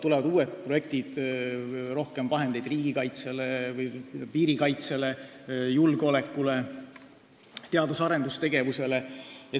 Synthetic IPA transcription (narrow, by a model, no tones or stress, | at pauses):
t̪ulevɑd̪uːet̪̚proje̞k̚t̪id̪̥ | ro̞hke̞mvɑɦe̞nd̪e̞jd̪̥riːɡikɑjt̪selevɯjpiːɾikɑjt̪se̞le̞ | julɡ̥o̞le̞kːˑule | t̪e̞ɑd̪usɑɾe̞nd̪ust̪e̞ɡ̥e̞vuse̞le̞e